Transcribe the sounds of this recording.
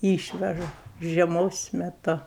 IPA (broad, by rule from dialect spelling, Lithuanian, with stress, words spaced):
ˈiːʃʲʋʲɛʒɐ ʒʲiɛˈmoːs mʲɛˈtʊ